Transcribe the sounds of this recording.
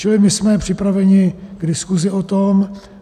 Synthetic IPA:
t͡ʃɪlɪmɪsmɛpr̝̥ɪpɾavɛɲɪɡ̥dɪskuzɪot̪om

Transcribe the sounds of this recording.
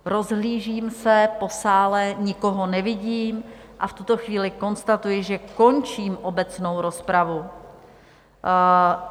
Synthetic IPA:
ɾo̞zɦliːʒiːmsɛpo̞saːlɛɲɪko̞ɦo̞nɛvɪɟiːmʔaft̪ut̪o̞xviːlɪko̞nst̪at̪ujɪʒɛko̞nt͡ʃiːmʔo̞bɛt͡sno̞wɾo̞spɾavu

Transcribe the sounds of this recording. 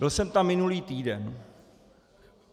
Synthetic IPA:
ɪlsɛmt̪amːɪnuliːt̪iːdɛn

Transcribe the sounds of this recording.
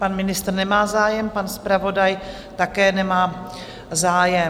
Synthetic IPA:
panmɪnɪst̪r̩nɛmaːzaːjɛmpanspɾavo̞daj | t̪akɛːnɛmaː | zaːjɛ

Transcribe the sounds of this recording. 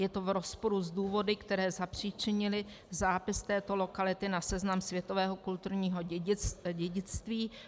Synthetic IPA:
jɛt̪o̞vɾo̞spo̞ɾuzduːvo̞dɪkt̪ɛɾɛːzapr̝̥it͡ʃɪɲɪlɪ | zaːpɪst̪ɛːt̪o̞lo̞kalɪt̪ɪnasɛznamsvjɛt̪o̞vɛːɦo̞kult̪uɾɲiːɦo̞ɟɛɟɪt͡st̪viː

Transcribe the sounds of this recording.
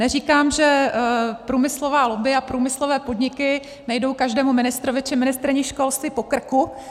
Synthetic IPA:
nɛriːkaːmʒɛ | pɾuːmɪslovaːlobɪapɾuːmɪslovɛːpo̞dɲɪkɪ | najdo̞wkaʒdɛːmumɪnɪst̪ɾovɪt͡ʃɪmɪnɪst̪ɾɲɪxʃkolst̪ɪpo̞kr̩ku

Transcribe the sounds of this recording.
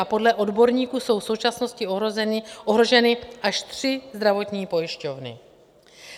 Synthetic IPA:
apo̞dlɛʔo̞dbo̞ɾɲiːkuːso̞wfso̞wt͡ʃasno̞scɪ | ʔoɦɾo̞ʒɛnɪʔaʃt̪r̥ɪzd̪ɾavo̞t̪ɲiːpo̞jɪʃcovnɪ̰

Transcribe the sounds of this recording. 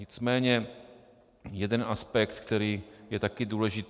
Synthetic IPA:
ɪt͡smɛːɲɛ | jɛdɛnʔaspɛkt̪kt̪ɛɾiːjɛt̪akɪduːlɛʒɪt̪

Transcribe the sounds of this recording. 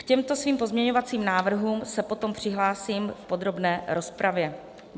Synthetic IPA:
kcɛmt̪o̞sviːmpo̞zmɲɛɲo̞vat͡siːmnaːvr̩ɦuːmsɛpo̞t̪o̞mpr̝̥ɪɦlaːsiːmfpo̞d̪ɾo̞bnɛːɾo̞spɾavjɛ

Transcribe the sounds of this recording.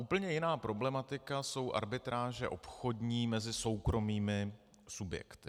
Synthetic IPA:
ʔuːpl̩ɲɛjɪnaːpɾo̞blɛmat̪ɪkaso̞wʔa̰ɾbɪt̪ɾaːʒɛ̰ʔo̞̰pxo̞dɲiːmɛzɪso̞wkɾo̞miːmɪ | subjɛ̰kt̪ɪ

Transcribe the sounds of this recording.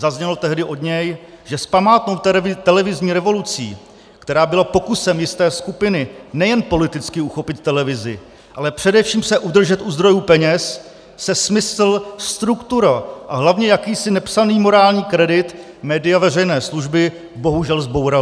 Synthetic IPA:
zazɲɛlot̪ɛɦdɪʔo̞dɲɛj | ʒɛspamaːt̪nowt̪t̪ɛlɛvɪzɲiːɾɛvo̞lut͡sḭː | kt̪ɛɾaːbɪlapo̞kusɛmjɪst̪ɛːskupɪnɪnɛjɛnpo̞lɪt̪ɪt͡skɪuxo̞pɪt̪ːɛlɛvɪzɪ̰ | ʔalɛpr̝̥ɛdɛfʃiːmsɛʔud̪r̩ʒɛt̪ʔuzd̪ɾo̞juːpɛɲɛs | sɛsmɪsl̩st̪ɾukt̪uɾaʔaɦlavɲɛjakiːsɪnɛpsaniːmo̞ɾaːlɲiːkɾɛdɪt̪ | mɛːdɪjavɛrɛjnɛːsluʒbɪ | bo̞ɦuʒɛlzbo̞wɾa

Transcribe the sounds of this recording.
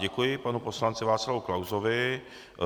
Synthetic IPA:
ɟɛkujɪpanupo̞slant͡sɪvaːt͡sslavowklawzovɪ

